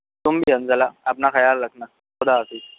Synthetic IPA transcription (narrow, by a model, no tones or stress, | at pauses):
t̪umbiɦənd͡zalaːpnaxɐjalːaɡna | xɔd̪aːfi